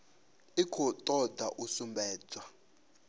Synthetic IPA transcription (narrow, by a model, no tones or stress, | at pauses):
ikʰɔtʼɔdaʔusumbʱɛːd͡zwa